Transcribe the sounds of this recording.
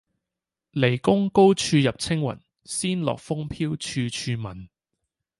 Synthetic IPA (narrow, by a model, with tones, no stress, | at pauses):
le˨˩jkʊ˥ŋko˥wt͡ʃʰyː˧jɐ˨p̚t͡sʰɪ˥ŋwɐ̰˨˩n | siː˥nlɔ̰ː˨k̚fʊ˥ŋpʰiː˥wt͡ʃʰyː˧t͡ʃʰyː˧mɐ˨˩n